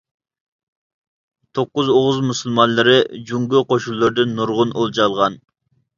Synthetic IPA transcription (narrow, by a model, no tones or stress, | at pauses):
t̪ʰoqːʊzoʁʊzmusulˠmɑnlˠɨɾɨd͡ʒuŋɡuqʰoʃulˠːɨɾd̪ɨnːuɾʁʊnolˠd͡ʒɑlˠʁɑn